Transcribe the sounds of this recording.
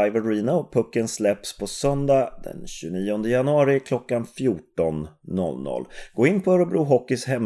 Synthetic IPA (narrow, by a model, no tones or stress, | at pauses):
aɪvəɾiːnapʰɵkːənslɛpspʰɔsœnd̪ad̪ɛ̰nɕʉniːɔnd̪əjanɵɑːɾɪkʰlɔkːanfjuːʈɔnːɔ̰lːnɔ̰lːɡ̥oːɪnːfɔɾɔbɾuːɦɔkːɪshɛm